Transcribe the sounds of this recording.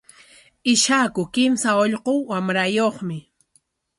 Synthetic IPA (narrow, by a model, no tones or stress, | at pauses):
ɪʃakʊkɪmsaoʎqowwamɾajoχmɪ